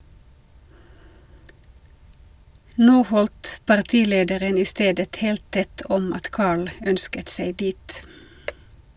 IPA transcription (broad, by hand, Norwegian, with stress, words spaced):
ˈnoː ˈhɔldt pɑʁˈtiːˌleːdəɾən ˈiː ˈsteːdət ˈheːlt ˈtɛt ˈɔm ˈɑt ˈkɑːɭ ˈœnskət ˈsæɪ ˈdiːt